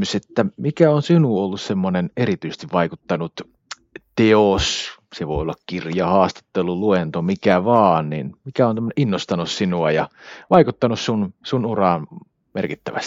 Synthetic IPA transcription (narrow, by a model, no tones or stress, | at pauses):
yset̪ːæmikæonsinuolːussemːonenerit̪yises̆t̪iʋʋɑikut̪ːɑnut̪ | t̪eos | seʋo̰ˑiolːɑkkirjɑhɑːst̪ɑ̥t̪ːeluluent̪omikæʋɑːnnḭnmikæont̪æmːøneʔinːost̪ɑnussinuɑjɑʋɑikut̪ːɑnussunsunurɑˑn | merkit̪ːæʋæ̰st̪i̥